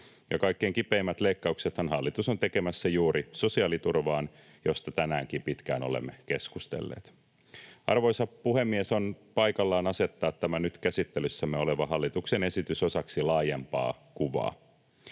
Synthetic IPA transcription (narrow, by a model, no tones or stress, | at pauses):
jɑkɑikːeːŋkipeːmːæt̪leikːɑukset̪hænhɑlːit̪usont̪eke̞mæsːæjuːɾʔiso̞siɑːlit̪urʋɑːn | jo̞st̪ɑt̪ænæːŋkimpit̪kæ̰ːno̰lḛmːeke̞skust̪ḛlːḛːt̪ | ɑ̰rʋo̞jsɑpuhemːieso̞npɑjkɑlːɑːnɑse̞t̪ːɑːt̪t̪ːæmænyt̪kæsit̪ːelysːæmːeoleʋɑɦɑlːit̪ukse̞ne̞sit̪yso̞sɑksilɑːjempɑ̰ːkuʋɑ̰ː